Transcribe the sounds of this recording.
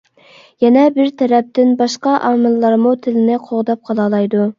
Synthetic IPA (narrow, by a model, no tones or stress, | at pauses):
jɛnɛbɪɾt̪ʰɛɾɛp̚t̪ɪnbɑʃqɑʔɑːmɪlːˠɑɾmut̪ʰɪlɪnɪqʰoʁd̪ɑp̚qʰɑlˠɑːlˠɑjd̪u